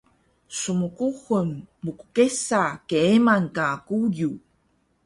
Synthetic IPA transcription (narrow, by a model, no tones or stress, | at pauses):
sumukuxunmuku̥kesakeemankaːkuju